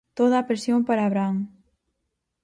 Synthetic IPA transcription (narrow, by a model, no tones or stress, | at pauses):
t̪oðaːpɾesjompaɾaːβɾaŋ